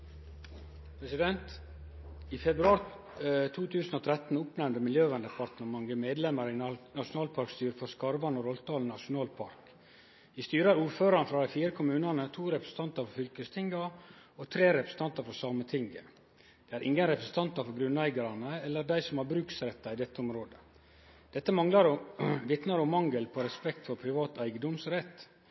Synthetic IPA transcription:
pʰɾɛsɪd̪ɛnt̪ | ifɛbɾʉɑːɾ | t̪ʰuːt̪ʰʉːsn̩oːt̪ʰɾɛt̪n̩ʊpnɛmnd̪əmɪljøːʋɛnd̪əpʰɑɾt̪nɔmɑŋɡəmeːd̪lɛməɾɪnɑʂʊnɑːlpʰɑɾkst̪yːɾəfɔɾskɑɾʋɑnɔɾɔlt̪ʰɑːln̩ːɑʂʊnɑːlpʰɑ̰ɾk | ʋɪːst̪yːɾəɾuːɾføːɾɑnfɾɑːd̪æɪfiːɾəkʰʊmʉːnɑnət̪ʰuːɾɛpɾəsn̩t̪ɑnt̪ɑɾfɔɾfʏlkəst̪ʰɪŋɡəɔt̪ʰɾeːɾɛpɾəsə̥n̩t̪ɑnt̪ɑɾfɔɾsɑːmət̪ʰɪŋɡə̰ | d̪̥ɛːæɾʔɪ̰ŋɡənɾɛpɾəsn̩t̪ʰɑnt̪ɑfɔɾɡɾʉnːæɪɡɑɾɑnəɛlːəɾɖæɪsɔmhɑɾbɾʉːksɾɛt̪ːɑɪd̪ɛt̪ːəɔmɾoːd̪ə | d̪̥ɛt̪ːəmɑŋlɑɾɔʋɪt̪nɑɾɔmːɑŋɡəlpʰɔɾɛspɛkt̪fɔɾpʰɾɪʋɑːt̪æɪɡəd̪ɔmsɾɛt̪ː

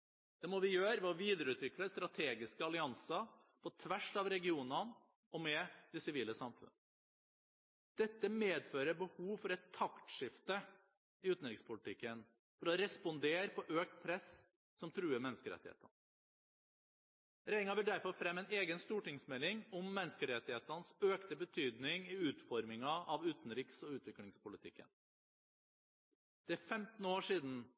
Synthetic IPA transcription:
d̪̥ɛmɔʋɪjøːɾʋɛɔʋiːd̪əɾəʉːt̪ʰʋɪkləst̪ɾɑt̪ʰeːɡɪskəɑlɪɑnsɑ | pʰɔt̪ʰʋæʂɑʋɾɛɡɪuːnɑn | ɔmɛd̪̥ɛsɪʋiːləsɑmfʉ̰n | d̪̥ɛt̪ːəmeːd̪føːɾəbəhuːʋfɔɾɛt̪ʰːɑkt̪ʂɪft̪ə | ɪʉːt̪nɑɾɪŋspʰʊlɪt̪ʰɪkːən | fɔɾɔɾɛspɔnd̪eːɾpʰɔʔøːk̚t̪pʰɾɛs | sɔmt̪ʰɾʉːəɾmɛnːəskəɾɛ̰t̪ːɪhḛːt̪ɑn | ɾɛɪŋɑʋɪlɖ̪æɾfɔɾfɾɛmːɛɪneːɡənst̪uːʈɪŋsmɛlːɪŋɔmːɛnːəskəɾɛt̪ːɪheːt̪ɑnsøːkt̪əbət̪ʰyːd̪nɪŋɪʉːt̪fɔɾmɪŋɑɑʋʉːt̪n̩ɾɪksɔʉːt̪ʋɪklɪŋspʊlət̪ʰɪkːə̰n | d̪̥ɛæɾfɛmt̪n̩oːʂiːd̪n̩

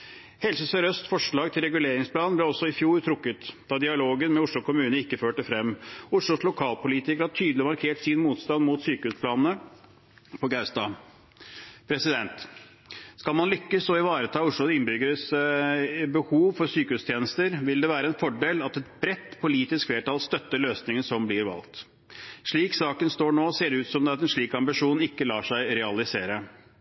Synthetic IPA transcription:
hɛlsəsɔɾœst̪fɔʂɭɑːɡt̪ʰɪlɾɛɡʉleːɾɪŋsplɑːnnblɛɔsɔɪfjuːɾt̪ʰɾʊkːət̪d̪ɑd̪ɪɑloːɡənmɛʊʂɭʊkʰʊmʉːnəɪkːəføːʈəfɾɛmːʊʂɭʊslʊkʰɑːlpʊliːt̪ɪkəɾhɑʈ̪ʰyːd̪lɪmɑɾkʰeːʈsɪnmuːt̪st̪ɑnmʊt̪syːkəhʉːspʰlɑːnnə | pʰɔɡɑst̪ɑː | pʰɾɛsɪd̪ɛnt̪ | skɑlmɑnlʏkːəsɔɪʋɑːɾət̪ʰɑːʊʂɭʊɪnːbʏɡəɾəs | bəhuːʋfɔɾsyːkəʉːst̪ʰjeːnəst̪əɾʋɪld̪ɛʋæːɾəɛnfɔɖeːlɑt̪ɛt̪̚bɾɛt̪ːpʰʊliːt̪ɪskleːʈɑlst̪œt̪ːəɭøːsnɪŋənsɔmblɪɾʋɑ̰lt̪ | ʂɭiːksɑːkənst̪oːɳoːseːɖ̪ɛʉːt̪sɔmd̪ɛɑt̪ɛnʂɭiːkɑmbɪʂuːnɪkːəlɑːʂæɪɾɛɑlɪseːɾə

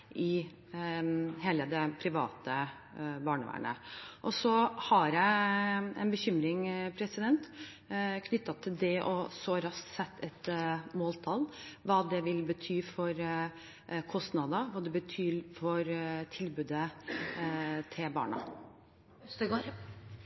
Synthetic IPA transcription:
ʔɪ | ɦeːləd̪ɛpʰɾɪʋɑ̰ːt̪ə | bɑːɳəʋæ̰ːɳə̰ʔɔsɔhɑɾjæɪɛ̰nbəçʏmɾɪŋpʰɾɛsɪd̪ɛnt̪ | kʰnʏt̪ːɑt̪ʰːɪld̪ɛʔɔsɔɾɑsksɛt̪ʰːɛt̪moːlt̪ʰɑlʋɑːd̪ɛʋɪlbət̪ʰyːfɔɾ | kʰɔst̪nɑd̪əʋɑːd̪ɛbət̪ʰyːɾfɔɾt̪ʰɪlbʉːd̪ə | t̪ʰɪlbɑ̰ːɳɑ̰ | ɡ

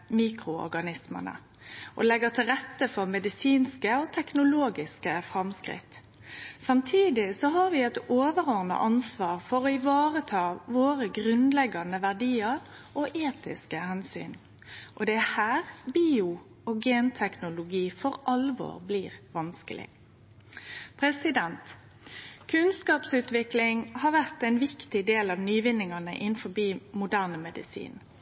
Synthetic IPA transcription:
miːkɾʊɔ̰ɾɡɑnɪsmə̰nə̰ | ʔɔ̰lɛɡət̪ʰɪlɾɛt̪ːəfɔʁmɛd̪ɪsiːnskəɔt̪ʰɛknʊloːɡɪskəfɾɑmskʁɪ̰t̪ | sɑmt̪ʰiːd̪ɪsɔɦɑɾʋɪɛt̪oːʋəʁɔɾnə̰ʔɑnsʋɑːʁfɔɾɔɪʋɑːɾət̪ʰɑːʋoːɾəɡʁʉnlɛɡːɑnəʋæɖiːəɾ | ʔɔʔeːt̪ɪ̰skəhɛnsy̰ːn | ʔɔd̪ɛæhæːʁbiːʊ | oːɡeːnt̪ʰɛknʊlʊɡiːfɔʁʔɑlʋo̰ːʁbliːʁʋɑnskəlʔɪ̰ | pʰɾɛsɪd̪ɛnt̪ | kʰʉnskɑːpsʉːt̪ʋɪklɪŋhɑːʋæʁt̪ɛɪnʋɪkt̪ɪd̪eːlɑʋnyːʋɪnːɪŋɑnə̰ʔɪnfɔbiːmʊd̪æːʁnəmɛd̪ɪ̰sḭːn

